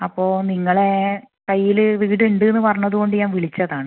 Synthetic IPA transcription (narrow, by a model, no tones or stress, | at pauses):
ɐpːo̞ːniŋːɐɭe̞ | kɐjːilɨʋiːɽeɳɖɨenːɨpɐrɐɲːɐðuɣo̞ɳɖɨɲaːnʋiɭit͡ɕːɐðaːɳɨ